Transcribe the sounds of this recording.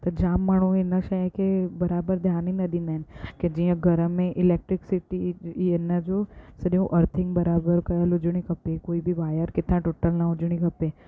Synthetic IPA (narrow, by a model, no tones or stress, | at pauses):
t̪od͡ʒamːəɳ̃ũenəʃakebəɾabəɾd̪ʱjaninəd̪ʱinenked͡ʒĩjãɡʱəɾəmẽʔɪlek̚ʈɾɪksiʈienːad͡ʒosəɾeũʔəɾt̪ʰɪ̃ŋɡbəɾabəɾkəjəlʊd͡ʒɳ̃ĩkəpekoːibʱiʋajəɾkɪt̪ːãʈoʈəlnaʊd͡ʒɳ̃ĩkəpe